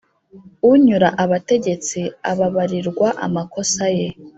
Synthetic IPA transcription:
uɲuɾaʔaβate̞ɟe̞t͡siaβaβaɾiɾɡwaʔa̰mako̞saje̞

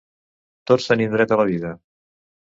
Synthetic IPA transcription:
t̪otsənind̪ɾɛt̪ələβiðə

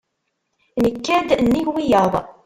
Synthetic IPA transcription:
nəkːæd̪nːiʝwijəðˤ

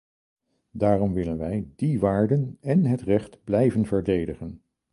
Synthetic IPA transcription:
daːrɔmʋɪlənʋɛjdiʋaːɹdənɛnɦətrɛχtblɛjvənvəɹdejdəχən

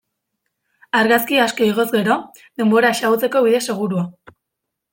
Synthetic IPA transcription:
aɾɣaskiasko̞iɣo̞zɣe̞ɾo̞ | ðe̞mbo̞ɾaesaɣut͡se̞ko̞βiðe̞se̞ɣ̞uɾua

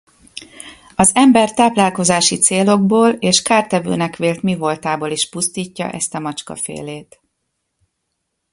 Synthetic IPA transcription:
ɒzɛmbɛrt̪aːplaːlko̞zaːʃit̪seːlo̞ɡ̚boːleːʃkaːrt̪ɛvø̰ːnɛkʋeːlt̪mivo̞lt̪aːboːliʃpust̪iːcːɒ̰ʔɛ̰st̪ɒmɒt͡ʃkɒ̰fḛːleːt̪

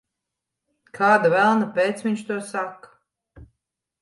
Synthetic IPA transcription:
kʰaːd̪avælˠnapʲeːt̪svʲiɲʲt͡ʃt̪uɔsakːḁ

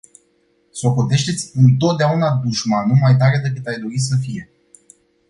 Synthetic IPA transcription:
so̞ko̞t̪e̞ʃt̪e̞t̪sʲɨnt̪o̞t̪̚d̪eaunad̪uʃmanumajt̪aɾe̞d̪ekɨt̪ajd̪o̞ɾis̬əfije̞

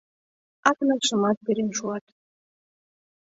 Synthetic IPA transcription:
ɑknɤkʃə̆mɑt̪̚peɾenʃuɑt̪

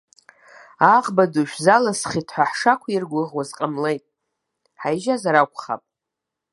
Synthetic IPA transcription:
aʁbaduʃᶣzalasχitʰħʷaħʂakʷʰairɡʷʊʁwazqʼamlejtʼ | ħajʒazaɾakʷʰʼχa̰pʼ

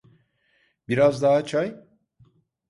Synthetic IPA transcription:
biɾazd̪aɦat͡ʃʰaj

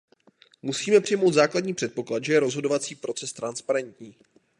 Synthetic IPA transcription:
musiːmɛpr̝̥ɪjmo̞wd̪zaːkladɲiːpr̥ɛt̪̚po̞klat̪ʒɛjɛɾo̞zɦo̞dovat͡siːpɾo̞t͡sɛst̪ɾanspaɾɛnt̪ɲiː

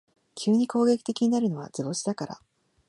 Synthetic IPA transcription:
kʲʰɨːɲ̟iko̞ːɡe̞kʲi̥t̪e̞kʲiɲ̟inaɾɯ̟no̞β̞a̰zɨbo̞ɕi̥d̪akaɾa̰

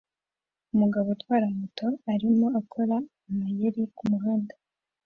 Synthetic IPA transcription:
umuɡaβotwaːɾamutʰo̞aɾimo̞akʰo̞ɾa | majeɾikumuɦaːnda

